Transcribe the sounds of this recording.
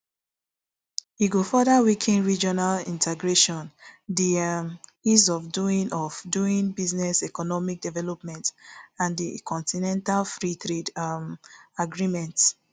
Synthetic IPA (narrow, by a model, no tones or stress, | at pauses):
iɡofɔdawikʰĩnɹid͡ʒɔnalĩntʰɛɡɹeʃɔ̃ndimjuzɔvduĩnɔvduĩnbiznɛsɛkɔnɔmik̚dɛvɛlɔpmɛ̃ntãndikʰɔ̃ntinɛ̃ntalfɹitʰɹedmaɡɹimɛ̃nt